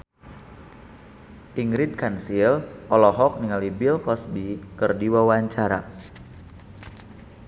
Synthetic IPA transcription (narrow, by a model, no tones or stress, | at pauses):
ʔiŋɾid̚kansilʔɔlɔɦɔk̚niŋalibilkɔsbikərdiwawaɲt͡ʃaɾa̰